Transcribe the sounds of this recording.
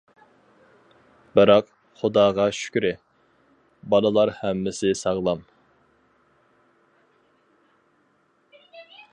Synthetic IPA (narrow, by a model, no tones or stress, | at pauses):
bɨɾɑq | χʊd̪ɑːʁɑʃy̥kʲyɾɪ | bɑlˠəlˠɑɾhɛmːɪsɪsɑʁlˠɑm